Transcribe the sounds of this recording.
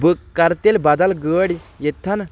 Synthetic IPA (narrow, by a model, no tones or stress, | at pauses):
bɨkkːɐɾt̪elʲbɐd̪ɐlɡəːɽʲijet̪ʰːɐn